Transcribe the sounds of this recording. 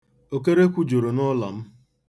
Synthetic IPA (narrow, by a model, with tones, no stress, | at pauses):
o˨k̬e˦ɾe˦kʷu˦d͡ʒo˨ɾo˨nɔ˦la̰˨m̩˦